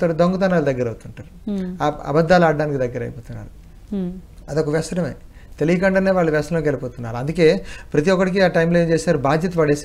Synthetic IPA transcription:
ɐɾud̪oŋɡut̪aːnaːlud̪ɐɡːɐɾɐwt̪uɳʈaːɾuaɐ̰bɐd̪ʱːaːlaːɖːaːnikid̪ɐɡːɐɾɐ̰jpoːt̪unːa̰ːɾu | ɐd̪ɔkɐʋjɐsɐɾɐmḛː | t̪elijɐkɐɳɖɐneːʋaːɭːɐʋjɐsɐlɐkɛlipoːt̪unːaːɾuɐnd̪uke̞ːpɾɐt̪iʋɔkːɐʈik̬iaːʈɐjmloeːmt͡ʃeːsaːɾubʱaːd̪ʱjɐt̪ɐʋɐɽeːs

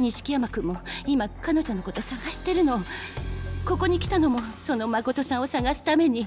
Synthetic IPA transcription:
ɲ̟iɕi̥kʲijamakɯ̟mːo̞imakano̞ʑo̞no̞ko̞t̪o̞saɡaɕi̥t̪e̞ɾɯ̟no̞ | ko̞ko̞ɲ̟ikʲi̥t̪ano̞mo̞so̞no̞mako̞t̪o̞são̞saɡasɨ̥t̪ame̞ɲ̟i

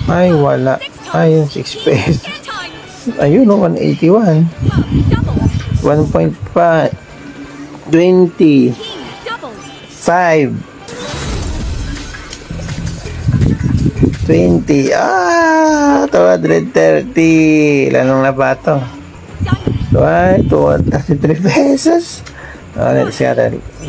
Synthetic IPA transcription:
ʔajwɐlaʔ | ajʊnsikspɛs | ʔɐjonowanʔḛjt̪iwan | wanpojnt̪̚fa | t̪wɛnt̪i | fajv | t̪wɛnt̪ia | t̪uhand̪ɾɛd̪̚t̪ɛɾt̪ilʔa̰noŋnabat̪o | t̪at̪ut̪ɛɾt̪it̪ɾipɛsos | ʔo̰lɛ̰t̪ska̰ɾɛ̰l

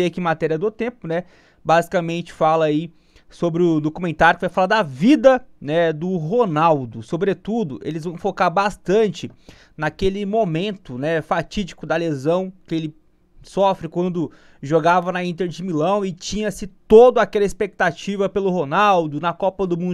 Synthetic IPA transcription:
eɐkiɪ̃mat̪ɛɾiɐd̪ʊt̪ẽpʊnɛ | bazikamẽnt͡ʃɪ̥falɐi | sobɾɪʊd̪okumẽnt̪aɾʊkɪvajfalaɾd̪ɐvid̪ɐnɛd̪ʊɦonawd̪ʊsobɾet̪ud̪ʊʔelɪzvɐ̃w̃fokaɾbast̪ɐ̃t͡ʃɪ | nɐkelɪmomẽnt̪ʊnɛfat͡ʃid͡ʒikʊd̪ɐlezɐ̃w̃kɪelɪ | sɔfɾɪkwɐ̃nd̪ʊ | ʒoɡavɐnɐĩt̪eɾd͡ʒɪmilɐ̃w̃ɪt͡ʃĩɲɐsɪt̪od̪ʊakɛlɐɪspek̚t̪at͡ʃivɐpelʊɦonawd̪ʊnɐkɔpɐd̪ʊmũ

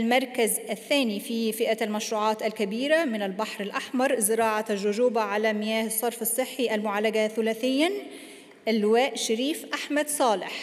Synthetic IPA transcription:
lmɑɾˤkazʔaθːæːnififɪʔaalmaʃɾuːʕɑːt̪alkabiːɾamɪnalbaħɾɪlʔaħmɑɾˤzɪɾɑːʕaʒːʊʒuːbaʕalamɪjæːhɪsˤːɑɾˤfɑsˤːɨħːiʔalmʊʕaːlaɡaθʊlæːθɪjːa | ʔɪlːwaːʔʃɪɾiːfʔaħmad̪sˤɑːlɪħ

